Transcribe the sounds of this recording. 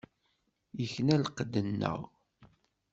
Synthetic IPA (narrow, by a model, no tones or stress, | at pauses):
jəçnælqəd̪ənːə̰ʁ